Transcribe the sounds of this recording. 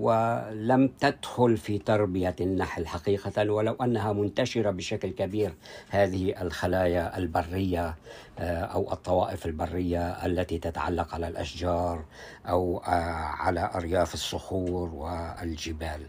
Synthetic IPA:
wɪlamt̪ad̪xʊlfit̪ɑɾˤbɪjanːaħlħaqiːqawalawʔanːaɦamʊnt̪aʃɪɾabɪʃaklkabiːɾhaːðɪhiʔalxalaːjaʔalbɑrːɪjːa | ʔa̰wʔɨ̰t̪ˤːɑwɑːʔɪfalbɑrˤːɪjːaʔalːat̪it̪at̪aʕa̰lːaqʕalalʔa̰ʃd͡ʒɑːɾˤ | ʔawʕa̰laʔɑɾjaːfɪsˤːʊxuːɾwɪlʒɪbaːl

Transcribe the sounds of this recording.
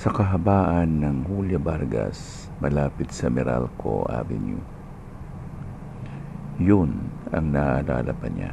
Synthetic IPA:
sɐkɐɦɐbaːʔɐnːɐŋhuljɐbaɾɡas | mɐlaːpɪt̪̚sɐmɪɾalkʰo̰ʔa̰vɪnju | jonɐŋnaʔːla̰ːlʔa̰pɐɲa̰

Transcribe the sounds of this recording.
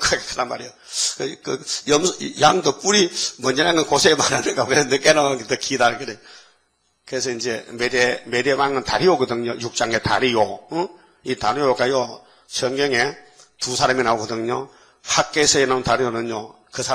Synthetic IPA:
kakkɯnanma̰ɾijo | kɯkɯjʌmsjaŋd̪ɯp͈uɾimʌnd͡ʑenaŋɡɯnkosʰemananɯkapkeenɯk̬enaket̪ʌkʰidaɾɯkɯdeɲ | kɯɦes̬ʰʌind͡ʑemedemeɾemaŋɯnt̪aɾijoɡɯd̪ɯŋɲojuk̚t͡ɕ͈aŋeta̰ɾijo | it̪aɾijokajo | sʰʌŋɡʌŋetusʰaɾaminaoɡɯd̪ɯŋɲo | hak̚k͈ːesʰeenauntaɾijonɯɲo | kɯsʰa

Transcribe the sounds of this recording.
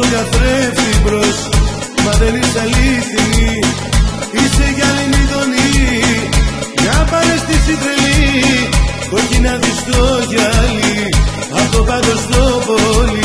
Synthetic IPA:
ɡɐθɾepθibɾos | mɐðenist̪ɐliθi | iseʝɐliniɣoni | nɐpɐnest̪isit̪ɾeli | koçinɐðist̪oʝɐli | ɐt̪opɐd̪ost̪opoli

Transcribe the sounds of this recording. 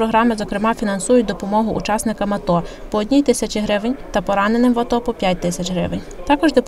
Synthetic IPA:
ɾɔɦɾɑmɪzɔkɾɪmɑfʲinɐnsujʊt̚ʲd̪ɔpɔmɔɦʊʔṵt͡ʃɑsnɪkɐmɐt̪ɔ | pɔːdʲnʲijt̪ɪsʲɐt͡ʃɪɦɾɪʋenʲt̪ɐpɔɾɑnenɪmʋɐt̪ɔpɔpʲjatʲt̪ɪsʲɐt͡ʃɦɾɪ̰ʋenʲt̪ɑkɔʒd̪ɔp

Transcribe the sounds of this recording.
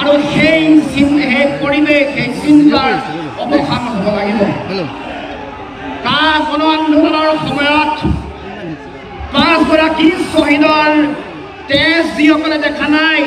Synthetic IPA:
aɹuxejsinxejpoɹibexejsintaɹ | ɔbɔxanɔɔbɔlaɡibɔ | kaɹɡɔnɔandonɔlɔɹxɔmɔjɔt | pãsbɔɾakisoɦidɔɹ | tɛszixɔkɔlɛdɛkʰanaj

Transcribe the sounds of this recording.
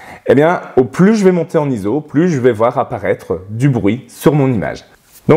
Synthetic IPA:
ebjɛ̃oplyʒəvɛmɔ̃t̪eɑ̃nizoplyʒəvɛvwaʁapaʁɛt̪χəd̪ybʁɥisyʁmɔ̃nima̰ʒ | d̪ɔ̃

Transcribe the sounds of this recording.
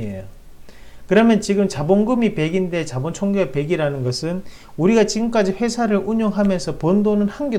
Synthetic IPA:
ejo | kɯɾʌmjʌnt͡ɕiɡɯmt͡ɕaboŋɡɯmipe̞ɡinde̞t͡ɕabont͡ɕʰoŋɡeɡape̞ɡiɾanɯnɡʌsʰɯn | uɾiɡat͡ɕiɡɯmk͈ad͡ʑiɸwe̞sʰaɾɯɭʔuɲoŋɦamjʌnsʰʌpondonɯnhanɡe

